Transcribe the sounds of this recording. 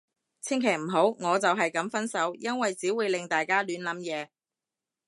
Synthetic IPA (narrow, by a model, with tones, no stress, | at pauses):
t͡sʰɪ˥ŋkʰe˨˩jm̩˨˩ɦo˨˥wŋɔː˨˧t͡sɐ˨wɦɐ˨jkɐ˨˥mfɐ˥nsɐ˨˥wjɐ˥nwɐ˨jt͡siː˨˥wuː˨˧jlɪ˨ŋt̪aː˨jkaː˥lyː˨˥nlɐ˨˥mjɛː˨˧